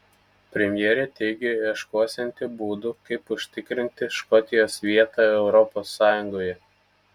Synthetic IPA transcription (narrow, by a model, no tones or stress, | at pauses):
pʲɾʲɛmʲjɛːɾʲɛt̪ʲɛɪɡʲeiɛʃkoːsʲɛnʲt̪ʲɪbuːd̪ukɐɪpʊʃʲt̪ʲɪkɾʲɪnʲt̪ʲɪʃkɔt̪ʲɪjoːsʋʲiɛt̪ɑˑɛʊɾɔpoːsːɑːjʊŋɡoːjɛ